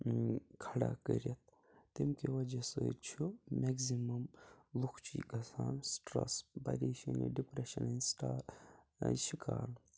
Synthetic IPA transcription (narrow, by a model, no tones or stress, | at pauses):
kʰɐɽa̰kəɾiɐt̪̚ː | imkiʋɐd͡ʒɐsɨt͡ʃʰumeɡzimɐmlˠukʰt͡ʃʰiɡɐsaːnsʈɾɐ̰sbɐ̰ɾiːʃɐnḭɖipɾeʃɐninsʈaː | ʃikaːl